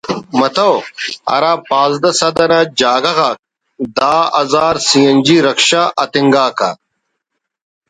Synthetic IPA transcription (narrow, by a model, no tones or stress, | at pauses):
mɐt̪ɐwɐ̰ɾaːpãːzd̪ɐsɐd̪ɐɾad͡ʑaːɡɐɣaːk̚ | d̪aːɐzaːɾsijɐnd͡ʑiːɾɐkʃaʔɐt̪iŋɡaːkʰa